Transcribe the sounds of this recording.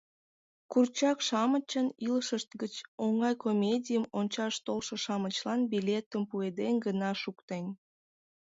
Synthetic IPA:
kurt͡ɕɑkʃɑmət͡ɕəniləʃəʃt̪̚ɡət͡ɕoŋɑjkomʲedʲijəmonʲt͡ɕɑʃt̪olʃəʃɑmət͡ɕlɑnbilʲet̪əmpued̪enɡənɑʃukt̪en

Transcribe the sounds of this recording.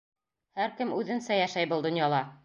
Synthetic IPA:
hæɾkɘmʉðɘ̆nsæjæʃæjbɤ̆lˠd̪ŏnjɑlˠɑ

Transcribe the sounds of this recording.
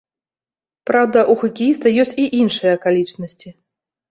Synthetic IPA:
pɾawd̪ɐʔuxɐkʲijist̪ɐjɔsʲt͡sʲiʔinʂɨjɐkalʲit͡ʂnɐsʲt͡sʲi

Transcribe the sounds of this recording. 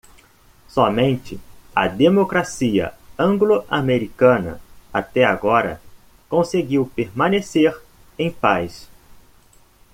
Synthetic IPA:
sɔmẽnt͡ʃɪɐ̰d̪emokɾasiɐ̰ɐ̃ɡloʔameɾikɐ̃nɐ̰at̪ɛaɡɔɾɐ̰ | kõseɡiwpeɾmɐ̃neseɾ | ẽj̃pajs

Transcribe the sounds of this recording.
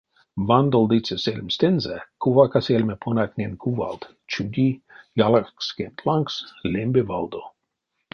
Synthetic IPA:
vand̪old̪it͡sɛselʲmst̪enzɛkuvakaselʲmɛpʰonat̪ʲnʲenkʰuva̰lt̪ | t͡ʃud̪ʲijalarkskent̪ʰlaŋkslʲembevald̪o

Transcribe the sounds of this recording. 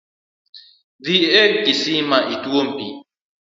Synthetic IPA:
ðiekɡisimaʔituwombḭ

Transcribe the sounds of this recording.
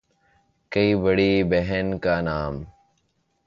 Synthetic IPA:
kɐiːbəɽiːbeɦɛnkaːnaːm

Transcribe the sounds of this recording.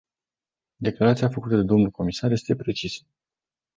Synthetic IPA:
d̪e̞klaɾat̪siafəkut̪əd̪e̞d̪o̞mnulko̞misarje̞st̪e̞pɾe̞t͡ʃisə̥

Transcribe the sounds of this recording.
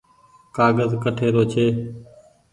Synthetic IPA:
kaːɡəzkəʈʰeːɾoːt͡ʃʰeː

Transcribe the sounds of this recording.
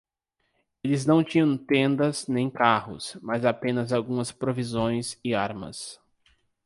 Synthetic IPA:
elɪznɐ̃w̃t͡ʃĩɲɐ̃w̃t̪ẽnd̪ɐznẽj̃kahʊ̰smazapẽnɐzawɡũmɐspɾovizõj̃sɪaɾmɐ̰s

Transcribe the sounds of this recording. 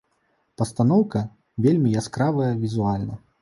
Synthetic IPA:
pɐst̪anɔwkɐ | vʲelʲmʲijaskɾavɐjɐvʲizualʲnɐ

